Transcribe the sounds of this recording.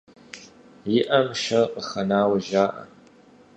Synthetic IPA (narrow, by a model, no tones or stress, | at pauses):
jɪʔɐmʃɐqʼəxɐnaːwɐʒaːʔɐ̰